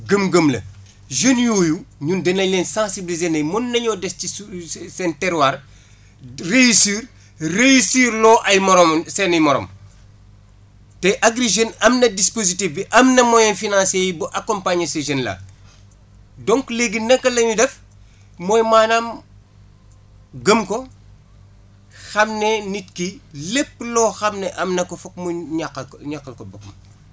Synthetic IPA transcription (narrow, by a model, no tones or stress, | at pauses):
ɡəmɡəmlɐ̰ | ʒenjoːjuɲundɛnɐjlɛːnsãsibilizeːnɐjmɔnːɐɲɔːdɛstisɛntɛɾwaːr | rejisiːr | rejisiːɾlɔːʔɐjmɔɾɔmsɛnɐjmɔɾɔ̰m | tɛʔaɡɾiʒenɐmnɐdispozitifbiʔɐmnɐmɔjɛnfinãːnsejibuʔɐkɔmpaːɲɐseʒɐnlɐ̰ | dɔŋkleɡinɐŋkːɐlɐɲudɛf | mɔːjmaːnam | ɡəmkɔ | xɐmnenit̚kilepːlɔːxɐmneʔɐmnɐkofɐk̚muɲakːɐɲakːɐlkobɐk̚mɐ